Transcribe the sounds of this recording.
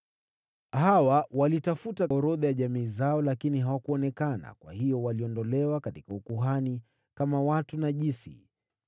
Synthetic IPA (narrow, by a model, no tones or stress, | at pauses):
hawawalitafutaɔɾɔðajaʄamiːzaɔlakiniɦawakuɔnɛkana̰kwa̰hijɔwaliɔndɔlɛwakatikaukuɦani | kamawatunaʄisḭ